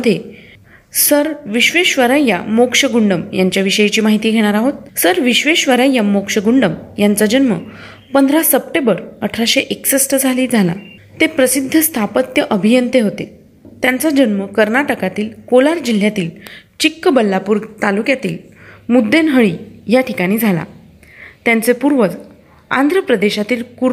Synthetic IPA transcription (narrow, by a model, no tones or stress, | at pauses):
əd̪ʱje | səɾʋiɕʋeɕʋəɾaja̰mokʂəɡuɳɖəmjaɲt͡ɕjaʋiɕəjit͡ɕiːmaɦit̪iːɡʱeɽ̃aɾaɦot̪̚səɾʋiɕʋeɕʋəɾajamokʂəɡuɳɖəmjant͡sad͡ʑənmə̰ | pənd̪ʱɾasəp̚ʈẽbəɾəʈʰɾaɕeʔeksəsʈəd͡zʱaliːd͡zʱala̰ | t̪epɾəsid̪ʱːəst̪ʰapət̪jəʔəbʱijənt̪eɦot̪e | t̪jant͡sad͡ʑənməkəɾnaʈəkat̪iːlkolaɾd͡ʑil̤ːjat̪iːlt͡ɕikːəbəlːapuːɾt̪alukjat̪iːl | mud̪ːenɦəɭiːjaʈʰikaɽ̃iːd͡zʱala̰ | t̪jant͡sepuɾʋət͡s | a̰nd̪ʱɾəpɾəd̪eɕat̪iːlku